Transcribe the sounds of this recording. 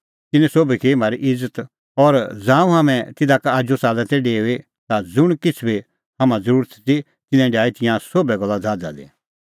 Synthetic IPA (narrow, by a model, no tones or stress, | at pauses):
t̪ɪnɛ̃soːbikʰemaːɾiʔɪd͡zət̪ | ɔɾd͡zãːũɦamɛ̃t̪ɪd̪akaad͡ʒosaːlɛ̃t̪ɛɖeːe | t̪ad͡zʊɽ̃kɪt͡sʰbe | ɦɐmãd͡zəɾuːɾət̪t͡si | t̪ɪnɛ̃ɖjaːit̪ɪ̃jãsoːbɛɡɔlːad͡zʱaːd͡za̰lḛ